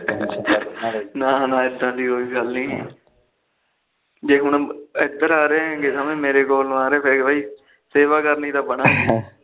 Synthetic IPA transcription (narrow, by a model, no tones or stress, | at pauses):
nãːnãːɪd̪ãːd̪iːoːiːɡəlnḭ̃ː | d͡ʒeːɦʊɳɪd̪əɾaːɾẽːɡeːsamẽːmeːɾeːkoːlaːɾeːpʰeɾkbaːiː | seːʋaːkəɾniːt̪aːbəɳaː